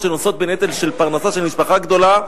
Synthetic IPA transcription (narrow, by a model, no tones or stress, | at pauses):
ʃenoso̞t̪̚be̞net̪elʃe̞lpaʁnasaʃe̞lmiʃpaχaɡd̪o̞la